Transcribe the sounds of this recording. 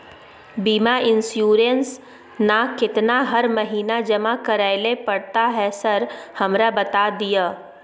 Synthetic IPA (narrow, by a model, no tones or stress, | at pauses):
biːmaʔɪ̃nsjuːɾəns | nakɪt̪naɦɐɾmɐɦiːnad͡ʒɐmakɐɾaːɪlepɐɽt̪aɦɛsɐɾhɐmɾabɐt̪ad̪ijaː